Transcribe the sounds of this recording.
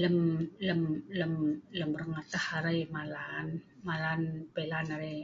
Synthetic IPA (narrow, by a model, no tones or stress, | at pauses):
ləmləmləmləmɾəŋat̪ahaɾajmalanmalanpelanaɾe